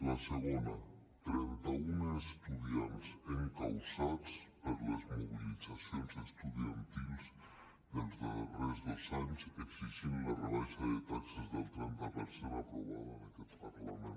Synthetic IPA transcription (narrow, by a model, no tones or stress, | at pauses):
ləsəɣonə | t̪ɾɛnt̪əunəːst̪uðiansəŋkawsat͡spəɾləzmuβilizasjonzəst̪uðiənt̪ilˠs | dəlˠzðərɛzðəlˠzaɲsəɡsiʒinlərəlaʃəðət̪aksəzðəlˠt̪ɾɛnt̪əpəɾseɾapɾuβa̰ðənakɛt̪pərlamen